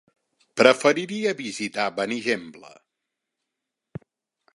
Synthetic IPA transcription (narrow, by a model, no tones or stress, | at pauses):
pɾəfəɾiɾiəβizit̪aβəniʒemblə̰